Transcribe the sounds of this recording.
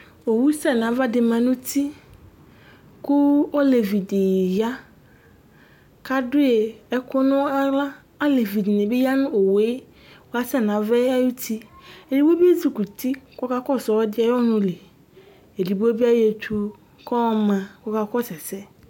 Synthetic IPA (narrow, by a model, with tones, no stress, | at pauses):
o˨wu˦sɛ˦˨n˨ã˨˦va˦dɪ˨mã˨nʊ̃˦t̪i˦ | kʊ˦o˦le˨vi˨dɪ˨ja˦ | ka˦dʊ˦je˨ɛ˦kʊ˦nʊ̃˦a˦la˦ | a˦le˨vi˨di˨nẽ˨be˦ja˦nʊ̃˦o˨we˦ | wo˨˦a˦sɛ˦˨nã˨˦vɛ˦a˦ju˦t̪i˦e˨di˨˦bbi˦e˦zi˦ku˨t̪i˦kɔ˦ka˦kɔ˦sɔ˨wɔ˦dɪ˦a˨jɔ˦nʊ̃˦le˨ | e˨li˨bo˦bi˦a˦je˨t͡ʃu˦ | kɔ˦mã˨kɔ˦ka˦kɔ˦sɛ˨sɛ˦